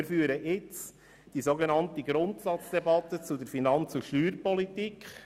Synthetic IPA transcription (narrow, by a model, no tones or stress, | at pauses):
ɾfyːɾəʔɪt͡s | d̥isoɡenɑntəɡɾʊntsɑt͡sd̥ɛbɑt̪ət͡sudəɾfinɑnt͡sʊʃtyːɾpɔlitikχ